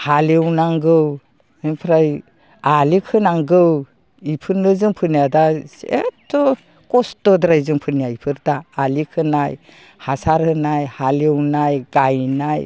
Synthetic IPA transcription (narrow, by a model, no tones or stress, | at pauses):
halewnaŋɡɯw | ɯnpʰɾaj | alikʰɯnaŋɡɯw | ipʰɯɾnɯzɯŋpʰɯnijadasḛtʰːɔ | kɔstɔdɾajzɯŋpʰɯnijaipʰɯɾdaːlikʰɯnaj | hasaɾhɯnajhalewnajɡajnaj